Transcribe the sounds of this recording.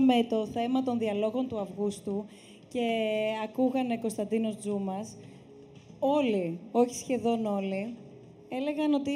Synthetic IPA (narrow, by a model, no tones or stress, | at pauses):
me̞t̪o̞θe̞mɐt̪o̞nðiɐlo̞ɣo̞nt̪uɐvɣust̪u | ce̞ɐkuɣɐneko̞st̪ɐnd̪ino̞zd͡zumɐs | o̞lio̞çi̥sçe̞ðo̞no̞li | e̞le̞ɣɐno̞t̪i